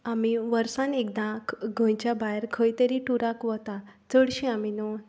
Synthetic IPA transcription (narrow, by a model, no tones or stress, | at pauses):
amiʋəɾsãnek̚d̪ãkɡʱə̃jt͡ɕjabajɾkʰəjt̪əɾiʈuɾakʋət̪at͡səɽɕĩaminɔ